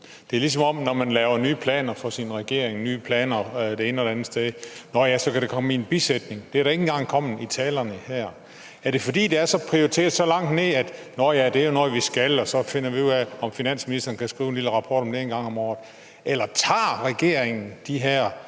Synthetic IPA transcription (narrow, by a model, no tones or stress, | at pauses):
d̥e̝æɐlis̬ɒ̽mɒ̽mnɒmænlɛːʊɐnyːpʰlɛ̰ːnɐfɒ̽sinʁɛɡ̥e̝ɐ̰eŋnyːpʰlɛːnɐd̥e̝e̝ːnəɒdeænð̩sd̥eðˠnɒjæsɒ̽kʰæɾ̥ekʰɒ̽menb̥ised̥ne̝ŋd̥e̝æɾɑe̝ŋn̩ɡ̥ɑ̈ŋ̰kʰɒ̽mn̩it͡sʰɛːlɐnəhæɐ̰ | æɐɾ̥e̝fɒ̽d̥ḭːd̥e̝æɐsɒ̽pʰʁioʁit͡sʰe̝̰ːɐðˠsɒ̽lɑ̈ŋ̰d̥ne̝ð̰ˠæd̥nɒjæd̥e̝æɐjo̝noʋisɡ̥ælɒ̽sɒ̽fe̝nɐʋiuðˠæɒ̽mfinæn̰sminisd̥ɐːn̩kʰæsɡ̥ʁiːʊenliləʁɑ̈pʰɒ̰ːɾ̥ɒ̽md̥enɡ̥ɑ̈ŋ̰ɒ̽mɒ̰ːð̩ˠ | ʔelɐt͡sʰɑ̰̈ːʁɛɡ̥e̝ɐeŋn̩d̥iɦæɐ̰